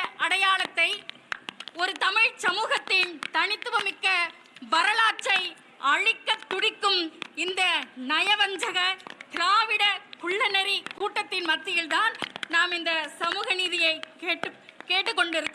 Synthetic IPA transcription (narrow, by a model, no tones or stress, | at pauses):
ɐɽɐjaːlɐt̪ːɐɪ | ɔɾɯt̪ɐmɪɻsɐmuːɣɐt̪ːɪnt̪ɐɳɪt̪ːɯʋɐmɪkːɐ | ʋɐɾɐlaːʈ̚t͡ʃːɐɪ | ɐɻɪkːɐt̪ːʊɽɪkːɯmɪnd̪ɐnɐjɐʋɐɲd͡ʒɐɣɐk̪ɪɾaːʋɪɽɐkʊɭːɐnɐɾikuːʈːɐt̪ːɪnmɐt̪ːɪjɪlt̪aːnnaːmɪnd̪ɐsɐmuːɣɐniːðɪjɐɪkeːʈːɯkeːʈːɯkːɔɳɖɪɾɯkːɯ